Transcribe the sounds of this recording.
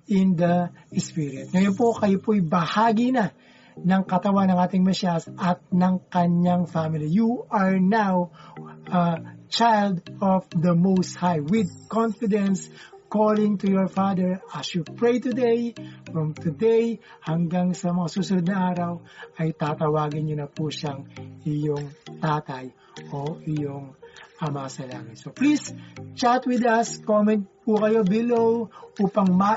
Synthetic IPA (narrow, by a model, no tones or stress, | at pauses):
ɪ̃nd̪ɐʔɪspɪɾɪt̪̚ŋɐjonpo̞kɐjopoɐjbɐhaːɡina | nɐŋkɐt̪ɐwanɐŋʔaːt̪ɪŋmɛʃasʔɐt̪̚nɐŋkɐɲaŋfamɪlijuʔɐɹnawʔɐt͡ʃajld̪ɔfðɐmowst̪̚hajwɪd̪̚kɔ̃nfɪd̪ɛ̃nskolɪ̃ŋt̪ujɔɹfad̪ɛɹɐsjupɹejt̪ʊd̪ejfɹɔmt̪ʊd̪ej | hɐŋɡaŋsɐmɐŋasuːsʊnʊd̪nɐʔaːɾɐwɐjt̪at̪ɐwaːɡɪnɲʊnɐpuʃaŋɪjoŋt̪aːt̪ɐj | ʔoʔɪjoŋɐmɐasɐla̰ːmɐt̪soplist͡ʃaɹt̪wɪd̪ɐskomɛ̃nt̪̚pukɐjo̞bɪlowʔuːpɐŋmɐ